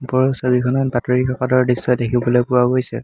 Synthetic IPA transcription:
pɔɹɔsobikʰɔnɔnpatɹiikʰakatɔɹdistɔjdekʰibɔlojpʊwaɡojsɛ̰

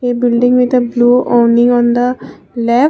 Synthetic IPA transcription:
ebɪlɖɪ̃ŋʋit̪əbluːʔoːnɪ̃ŋɔ̃nd̪ə | lɛ

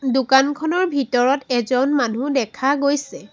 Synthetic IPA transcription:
dukankʰɔnɔɹbʱitɔɹɔtɛzɔnmanudɛkʰaɡojsɛ

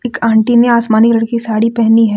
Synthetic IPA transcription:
ɪkãːɳʈineaːsmaːnɪklɐɽkisaːɽipɛɦniɦɛː

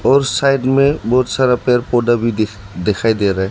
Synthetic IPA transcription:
ɔːɾsaːɪɖmẽbɔːʊt̪saːɾapeɾpoɖabʱi | d̪ekʰaːid̪eɾaɦɛ

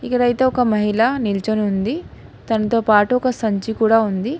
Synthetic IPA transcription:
ikːɐɽɐjt̪e̞ːɔkɐmɐɦilɐnilt͡ʃɐnund̪i | t̪ɐnɐt̪o̞ːpaːʈuɔkɐsɐɲt͡ʃikuːɽaːund̪i

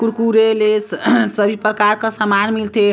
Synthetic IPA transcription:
kuɾkuɾelessəbʱipɾəkaɾkəsamanmilt̪ʰe

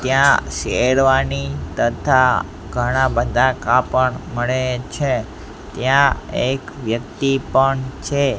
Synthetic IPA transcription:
t̪jãʃeɭʋanit̪ət̪ʰa | ɡʱəɽ̃abəd̪ʱakapəɳməɭet͡ʃʰe | t̪jãekʋjəkt̪ipəɳt͡ʃʰe

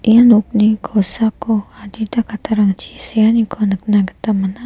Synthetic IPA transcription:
ʔianuk̚niɡʰosakoad͡ʒit̪akat̪aɾaŋt͡ʃisianiɡʰonək̚naɡət̪amana

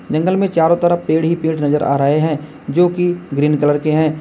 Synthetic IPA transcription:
d͡ʒɐ̃ŋɡəlmẽt͡ʃaːɾõt̪əɾəpeːɽɦipeːɽnɐzəɾʔa̰ːɾəɦeɦɛ̃ | d͡ʒoːkiɡɾiːnkələɾkeɦɛ̃ː

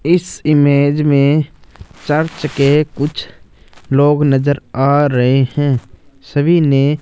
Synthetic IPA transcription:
ɪsɪmeːd͡ʒmẽ | t͡ʃəɾt͡ʃkekʊt͡ʃʰ | loːɡnəzəɾaːɾɐɦehɛ̃ːsəbʱine

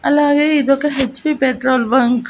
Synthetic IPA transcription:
ɐlaːɡe̞ːid̪ɔkɐɦet͡ʃpiːpeʈɾoːlʋɐŋk

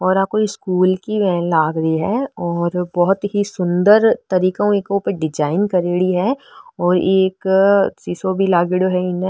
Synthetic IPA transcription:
ɔːɾaːp̚koɪskuːlkiʋɛːlaːɡɾɐiɦɛɔːɾbɔɦʊt̪ɦisʊ̃nd̪əɾt̪ɐɾiːkãeːkeuːpəɾɖɪd͡ʒaːɪnkɐɾeːɽiɦɛɔːɾeːksisobʱilaːɡeɽoɦɛɪn

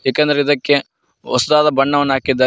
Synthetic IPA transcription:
ɦeːkɐnd̪ɐɾeid̪ɐkːe̞ | ɔsɐd̪aːd̪ɐbɐɳːɐʋɐnːaːkid̪ːaː

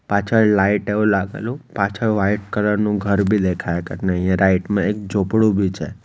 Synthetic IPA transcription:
pat͡ʃʰəɾlaiʈeũlaɡḛlũpat͡ʃʰəʋaiʈ̚kələɾnũɡʱəɾbʱid̪ekʰajkəɾneə̃jjãɾaiʈmãekd͡ʒopɽũbʱit͡ʃʰḛ

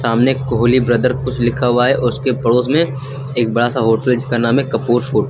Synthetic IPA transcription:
saːmnekoɦːlibɾɐd̪əɾkʊt͡ʃʰlɪkʰaɦʊaːɛʔʊskepɐɽoːsmẽ | eːk̚bɐɽasaɦoːʈəld͡ʒskanaːmɦẽkɐpuːɾsʰoːʈ

